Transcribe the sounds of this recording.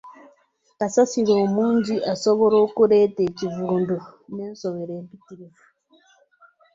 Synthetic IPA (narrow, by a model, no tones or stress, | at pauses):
kasasiɾoːmuːɲɟiʔasoβoɾokuɾetecivuːnduneːnsoβeɾeːmbitiɾivu̥